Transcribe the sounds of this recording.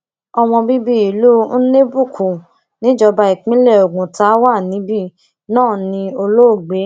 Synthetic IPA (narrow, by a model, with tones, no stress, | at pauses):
ɔ˧w̃ɔ̃˧bi˦bi˦i˨lu˦n̩˦ne˦bu˦˨kʰu˨ | nĩ˨˦d͡ʒɔ˧ba˧i˨k͡pĩ˦lɛ˦˨o˨ɡũ˨ta˨˦wa˦˨nĩ˨˦bi˦˨ | nãː˦˨nĩ˧o˧lo˦o˦˨ɡ͡be˨˦